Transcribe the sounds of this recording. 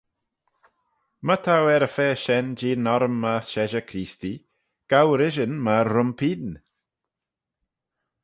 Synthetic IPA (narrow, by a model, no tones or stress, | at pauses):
mət̪ʰawɛɾəfɛːʃɛnd͡ʒiːnɔɾəmːaʃɛʒəkʰɾiːsti | ɡ̥awɾɪʒənmaːʊmpʰiːdn